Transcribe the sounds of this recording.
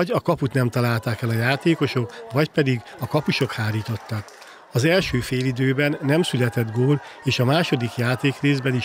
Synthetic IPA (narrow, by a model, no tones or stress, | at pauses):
ɟɒkɒput̪nɛmt̪ɒlaːlt̪aːkɛlɒjaːt̪eːko̞ʃo̞kvɒcpɛd̪iɡ | ɒkɒpuʃo̞khaːɾiːt̪o̞t̪ːɒk | ɒzɛlʃøːfeːlid̪øːbɛnːɛmsylɛt̪ɛd̪ɡoːleːʃɒmaːʃo̞d̪ikjaːt̪eːkreːzbɛni